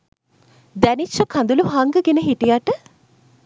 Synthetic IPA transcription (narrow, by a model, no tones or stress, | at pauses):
d̪ænit͡ʃːəkʰand̪uluɦaŋɡəɡenəɦiʈijaʈə